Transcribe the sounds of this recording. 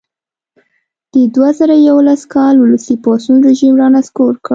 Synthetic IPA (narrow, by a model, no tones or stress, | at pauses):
d̪̥əd̪wazaɾajawolaskɑlʊləsipɑsunɾɪʒimɾɑnaskoɾkə